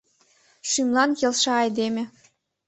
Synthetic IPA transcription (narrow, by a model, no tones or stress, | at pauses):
ʃymlˠɑnjelʃɑːjd̪emʲĕ